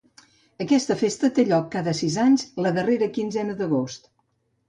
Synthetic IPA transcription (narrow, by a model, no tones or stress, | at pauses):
əkɛst̪əfest̪ət̪eʎɔkːaðəsizaɲzləðəreɾəkinzɛnəðəɣ̞ost̪